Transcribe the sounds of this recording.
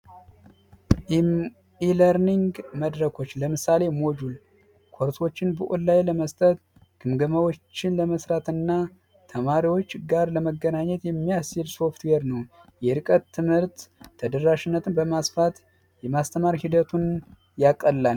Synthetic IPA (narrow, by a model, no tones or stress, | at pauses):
iləɾniŋɡməd̪ɾəkʰo̞t͡ʃːləmɨsale̞mod͡ʒul | kʰoɾt̪ʰo̞t͡ʃːɪnbɨʔollajləməst̪ʼət̪ | ɡ̥ɨmɡəmawo̞t͡ʃt͡ʃːɪnləməsɾat̪ɨnːa | t̪ʰəmaɾiwo̞t͡ʃːɡaɾləməɡːənaɲːɛt̪jɛmːijasilso̞ft̪weɾnəw | jɛɾɨkʼət̪ʰːɨmhɨɾt̪ʰːəd̪əɾaʃɪnːət̪ʰɨnbəmasfat̪ | jɛmast̪ʰəmaɾihid̪ət̪ʰun | jakʼːəlːal